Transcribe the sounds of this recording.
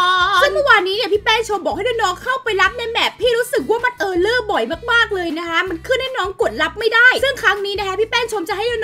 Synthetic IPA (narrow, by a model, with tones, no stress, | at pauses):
ɔ˧sɯ˥˩ŋmɔ˥˩waː˧nːiː˦˥ni˥˩ɐpʰiː˥˩pɛː˥˩nt͡ɕʰo˧mbɔː˨˩k̚ha˥˩dɔː˧˥nɔː˦˥ŋkʰa˥˩wpa˧jla˦˥p̚na˧˥˩mɛː˨˩pʰːiː˥˩ɾuː˦˥sɯ˨˩k̚waː˥˩ma˧nʔɤː˧lɤː˥˩bɔ˨˩jmaː˥˩k̚maː˥˩k̚lɤː˧jna˦˥kʰa˦˥ma˧nkʰɯː˥˩nːɛː˥˩nɔː˦˥ŋku˨˩ət̪̚la˦˥p̚ma˥˩jdaː˥˩jsɯ˥˩ŋkʰɾa˦˥ŋniː˦˥na˦˥kʰa˦˥pʰiː˥˩pɛː˥˩nt͡ɕʰo˧mt͡ɕa˨˩ɦa˥˩jdɔː˧˩n